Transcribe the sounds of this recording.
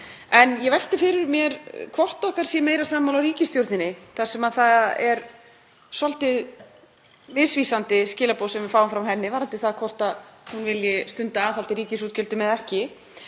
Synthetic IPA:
ɛnjɛvɛjl̥t̪ɪfɪːɾɪɾmjɛɾkʰvɔr̥t̪ɔhkaɾ̥sjɛmeːjɾasaːmawlawɾiːcɪst̪jowɾt̪nɪnɪθḁsɛmaðθaðɛɾ | sɔlt̪ɪð | mɪsviːsant̪ɪscɪːlapowsɛmvɪfaːwʏmfɾamɦɛnːɪvaɾant̪ɪθaðkʰvɔr̥t̪aðhunvɪljɪst̪ʏnt̪aːθalt̪ɪɾiːcɪs̬uːt̪cʏlt̪ʏmɛðɛhcɪ

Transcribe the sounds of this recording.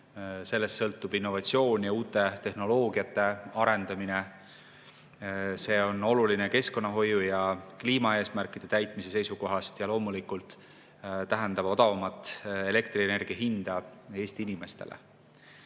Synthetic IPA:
se̞lːe̞st̪sɤ̞lt̪ˑːub̥inːo̞vɑt̪sio̞ːnʲjɑuːt̪ːˑe̞t̪e̞hno̞lo̞ːɡ̥iɑt̪ːˑe̞ɑɾend̪̥ɑmine | se̞ːo̞no̞luline̞ke̞sko̞nːɑɦo̞jːujɑkliːmɑe̞ːsmærkˑid̪̥e̞t̪æjt̪ˑmise̞se̞jsuko̞ɦɑst̪jɑlo̞ːmulikult̪ | t̪æɦɛnd̪ɑb̥o̞d̪̥ɑvɑmɑt̪ːˑe̞le̞kt̪riene̞rɡ̥iɑɦind̪̥ɑe̞ːst̪iinime̞st̪e̞lḛ

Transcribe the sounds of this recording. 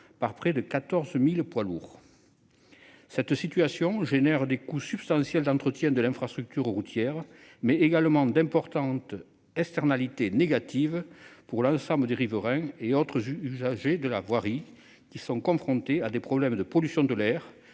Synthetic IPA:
paʁpχɛd̪əkat̪ɔʁzmilpwaluːʁ | sɛt̪sit̪yasjɔ̃ʒenɛʁəd̪ekusybst̪ɑ̃sjɛld̪ɑ̃nt̪χət̪jɛ̃d̪əlɛ̃fχast̪χyk̚t̪yʁʁut̪jɛʁmɛeɡalmɑ̃d̪ɛ̃mpɔʁt̪ɑ̃t̪ | ɛkst̪ɛʁnalit̪eneɡat̪ʰivpuʁlɑ̃sɑ̃bləd̪eʁivəʁɛ̃eɔt̪χəzyzaʒed̪əla̰vwaʁi | kʲisɔ̃kɔ̃fχɔ̃t̪ead̪epχɔblɛmd̪əpɔlysjɔ̃d̪əlɛʁ

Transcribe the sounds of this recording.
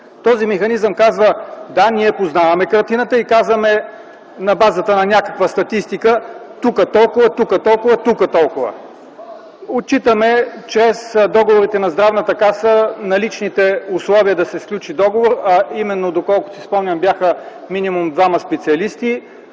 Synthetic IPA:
t̪ɔzimɛxɐnizəmkazvəd̪aniɛpoznavɐmɛkɐɾt̪inət̪əikazvɐmɛ | nɐbazət̪ənɐnʲakə̥kvəst̪ɐt̪ist̪ikət̪ukət̪ɔlˠkʊvət̪ukət̪ɔlˠkʊvɐt̪ukət̪ɔlˠkʊvə̰ | ot̚t͡ʃit̪əmɛt͡ʃɾɛsd̪ɔɡovoɾit̪ɛnɐzd̪ɾavnət̪ɐkasənɐlit͡ʃnit̪ɛʊslˠɔviəd̪ɐsɛfklʲut͡ʃid̪ɔɡovoɾɐimɛnːod̪okɔlˠko̥sispɔmnʲəmbʲjaxə | minʲimumd̪vamɐspɛt̪siɐlist̪i

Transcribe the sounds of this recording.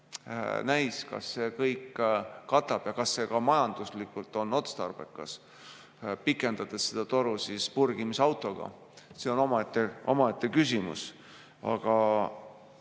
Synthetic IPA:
næjskɑ̰sːe̞ːkɤjkːɑt̪ːˑɑb̥jɑkɑsːe̞kɑmɑjɑnd̪̥uslikːult̪ːˑo̞nːo̞t̪st̪ɑ̰rb̥ḛkːɑs | pikːˑe̞nd̪̥ɑt̪essed̪̥ɑt̪o̞ɾusispurɡ̥imisɑwt̪ˑo̞ɡ̥ɑ̰ | seo̞no̞mɑet̪ːˑeo̞mɑet̪ˑːekysimṵs | ɑ̰ɡ̥ɑ

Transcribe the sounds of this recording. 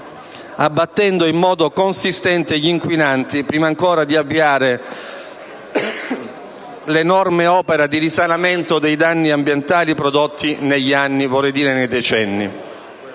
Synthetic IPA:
abːat̪ːɛnd̪oimːɔːd̪okonsist̪ɛnt̪eʎiŋkwinant̪ipɾiːmaːŋkoːɾad̪iavːiaːɾe | lenɔrmeɔːpeɾad̪iɾisanament̪od̪ejd̪anːiambjent̪aːlipɾod̪ot̪ʰːineʎːianːivɔrɛjd̪iːɾenejd̪ɛt͡ʃɛnːḭ

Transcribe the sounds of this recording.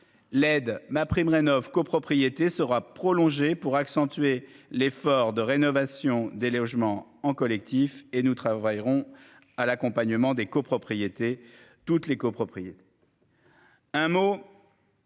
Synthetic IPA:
lɛd̪mapχimʁenɔvkopχɔpχijet̪esəʁapχɔlɔ̃ʒepuʁaksɑ̃t̪ɥelefɔʁd̪əʁenɔvasjɔ̃d̪elɔʒmɑ̃ɑ̃kɔlɛk̚t̪ifenut̪χavajʁɔ̃ | alakɔ̃paɲəmɑ̃d̪ekopχɔpχijet̪e | t̪ut̪lekopχɔpχijet̪e̥ | ɛ̃mo

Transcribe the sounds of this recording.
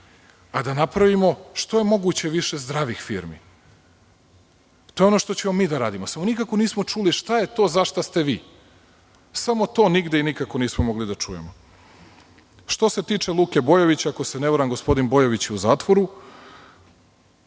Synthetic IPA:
ad̪anapɾaʋimo̞ʃt̪o̞je̞mo̞ɡut͡ɕe̞ʋiʃe̞zd̪ɾaʋixfiːɾmḭ | t̪o̞jeo̞noʃt̪o̞t͡ɕemomiːd̪aɾa̰ːd̪imo̞samonikako̞niːsmo̞t͡ʃuliʃt̪aje̞t̪o̞ːzaʃt̪ast̪e̞ʋḭː | samo̞t̪o̞ːniɡd̪einikako̞niːsmomo̞ɡlid̪at͡ʂujḛmo | ʃt̪o̞se̞t̪iːt͡ʂe̞lˠuːke̞bo̞joʋit͡ɕaako̞seneʋoɾamɡo̞spo̞d̪inbo̞joʋit͡ɕuzaːt̪ʋo̞ɾu

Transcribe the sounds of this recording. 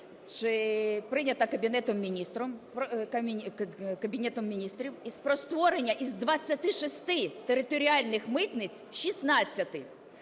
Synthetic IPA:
t͡ʃɪpɾɪnʲɐt̪ɐkɐbʲinɛt̪ɔmːʲinʲist̪ɾɔmpkɐ | kɐbʲinʲɛt̪ɔmːʲinʲist̪ɾʲiwispɾɔst̪ʋɔɾenʲːɐʔizd̪ʋɐt͡sʲːɐt̪ɪʃɪst̪ɪt̪eɾɪt̪ɔɾʲiɑlʲnɪxmɪt̪nɪt͡sʲʃisnɑt͡sʲːɐt̪ɪ

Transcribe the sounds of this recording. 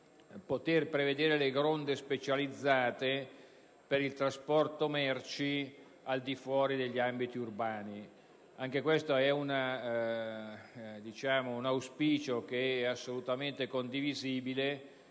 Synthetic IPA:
pot̪erpɾeved̪eːɾeleɡɾond̪espet͡ʃalid̪zːaːt̪e | peɾilt̪ɾaspɔrt̪omɛrt͡ʃi | ald̪ifwɔːɾid̪eʎːiambit̪iurbaːni | aŋkekwest̪oɛuna | d̪it͡ʃaːmounawspiːt͡ʃok̟eɛasːolut̪ament̪ekond̪iviziːbile

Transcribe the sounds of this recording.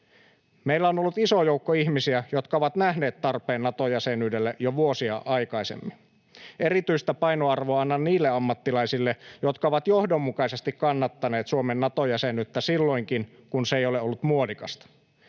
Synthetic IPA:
meilːæonolːut̪iso̞jouwkːoiçmisiæjo̞t̪kɑoʋɑt̪næhne̞ːt̪t̪ɑrpeːnːɑt̪ojæsenyːdelːeʔjoʋuosiɑʔɑjkɑisḛmːin | e̞ɾit̪yist̪æpɑjnoɑrʋoɑɑnːɑnniːlːeɑmːɑt̪ːilɑjsilːejo̞t̪kɑoʋɑt̪jo̞hdomːukɑise̞st̪ikkːɑnːɑt̪ːɑne̞ːt̪suomenːɑt̪o̞jæsenyt̪ːæsilːo̞iŋkin | kunseejo̞leo̞lːut̪muolikɑst̪ɑ̥

